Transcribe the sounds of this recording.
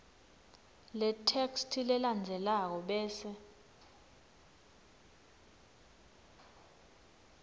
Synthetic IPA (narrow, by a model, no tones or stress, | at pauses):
lɛtʰekstʰilɛland͡zʱɛlak̬ɔɓɛːsɛ